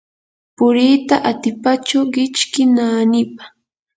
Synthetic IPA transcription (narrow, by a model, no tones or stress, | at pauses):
pʊɾiːt̪aʔat̪ɪpat͡ʃʊɢɪt͡ʃkɪnaːnɪpḁ